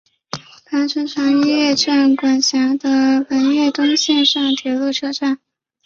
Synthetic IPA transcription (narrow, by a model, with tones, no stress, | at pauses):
pa˧˥nʈ͡ʂʰu˧˥ʈ͡ʂʰa˧˥ŋi˥jjɛ˥˧ʈ͡ʂʰa˥˩nkwa˨˩nɕjɑ˧˥d̪ə˧fə˧˥nɥɛ˥˩t̪ʊ˥ŋɕjɛ˥˧nʂɑ˥˩ŋt̪ʰjɛ˧˥lu˥˧ʈ͡ʂʰɤ˥˧ʈ͡ʂa˥˩n